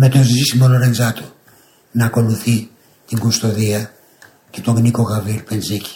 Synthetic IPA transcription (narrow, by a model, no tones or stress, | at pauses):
me̞t̪o̞zizisimoloɾenzɐt̪o | nɐːko̞luθi | t̪iŋɡust̪o̞ðiɐ | ce̞t̪oɣnikoɣɐviɾpenzici̥